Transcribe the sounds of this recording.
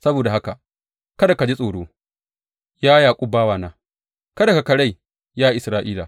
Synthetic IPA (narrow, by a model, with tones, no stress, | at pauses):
sɐ˦boː˨da˨ɦa˦ka˨ | kɐ˦da˨ka˨d͡ʒi˦sʼoː˨ɽoː˦ | jaː˦jaː˨kʷʼu˦baː˦waː˨naː˦ | kɐ˦da˨ka˨kɐ˨ɽa˦˨j | jaː˦ʔɪ˨sɾaː˦ʔiː˦laː˨